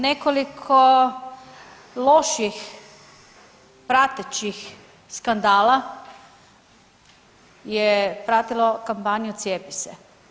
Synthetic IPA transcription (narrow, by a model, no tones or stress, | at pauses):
nekolikʰo | loʃix | pɾat̪et͡ɕix | skand̪aːla | jepɾaːt̪ilokampanijut̪sjepisḛ